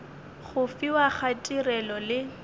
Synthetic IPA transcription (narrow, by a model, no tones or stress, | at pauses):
χʊfiwaχatʼirɛlɔlɪ